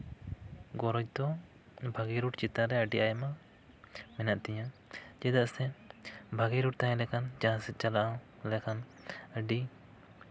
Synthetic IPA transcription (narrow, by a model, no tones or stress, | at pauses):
ɡɔɾɔd͡ʒ̚d̪ɔ | bʱaɡiɾuʈt͡ʃit̪aɾɛəɖiʔajɛma | mɛnaʔt̪ɛɲãd͡ʒɛd̪aʔsɛbʱaɡiɾuʈ̚t̪aɦɛ̃lɛkand͡ʒaasɛt̪̚t͡ʃalaʔa | lɛkʰan | əɖi